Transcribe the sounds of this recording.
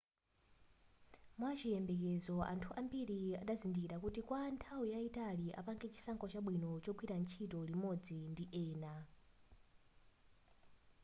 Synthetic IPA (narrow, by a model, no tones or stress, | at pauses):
mwat͡ʃijɛmbɛk̬ɛzɔʔa̰ntʰuʔambiɾiaɗazindikiɾakutikwantʰawujaitaliʔa̰paŋɡɛt͡ʃi̥saŋkʰɔt͡ʃaɓwinɔt͡ʃɔɡwiɾant͡ʃʰitɔlimɔd͡zindiʔɛːna